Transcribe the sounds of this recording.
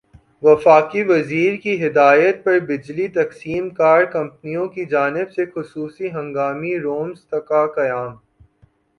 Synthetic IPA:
ʋɐfaːqiʋɐziːɾkiɦɪd̪aːjət̪̚pɐɾbɪd͡ʒlit̪ɐqsiːmkaːɾɖ̚kɐ̃mpnijõkid͡ʒaːnɪbsexʊsuːsiɦɐ̃ŋɡaːmiɾoːmst̪ɐkakɐjaːm

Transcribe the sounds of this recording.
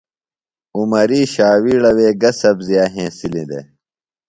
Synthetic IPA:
umɐɾiːɕaːwiːɽɐweːɡɐsɐbzijaːɦẽːsilĩd̪ḛ

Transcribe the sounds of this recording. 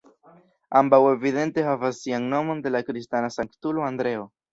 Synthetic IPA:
ambawe̞viðe̞nt̪e̞ɦavasːiaŋno̞mo̞nd̪e̞lakɾist̪anasaŋkt̪uloand̪ɾe̞o

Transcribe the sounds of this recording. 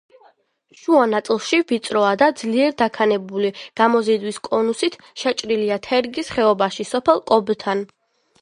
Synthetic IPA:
ʃuanat̪sʼlˠʃivit̪sʼɾɔad̪ad̪zliɛɾd̪akʰanɛbuliɡ̥amɔzid̪wiskʼɔnusit̪ʰ | ʃɛt͡ʃʼɾiliat̪ʰɛɾɡisχɛɔbaʃisɔpʰɛlˠkʼɔbt̪ʰan

